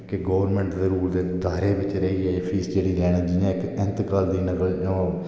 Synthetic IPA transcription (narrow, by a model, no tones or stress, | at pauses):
kɪɡoːʋəɾmɛ̃ːɳʈzəɾuːɾd̪eːd̪aːɾeːʋɪt͡ʃɾəiːepʰiːsd͡ʒeːɽiːlɛːɽ̃d͡ʒɪãːɪkɪ̃nt̪kaːld̪iːnəkəld͡ʒõː